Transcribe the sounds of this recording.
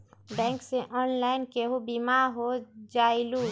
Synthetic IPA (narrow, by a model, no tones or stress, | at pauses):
bɛ̃ŋksẽʔɔnlainkeɦubimaɦod͡ʒailu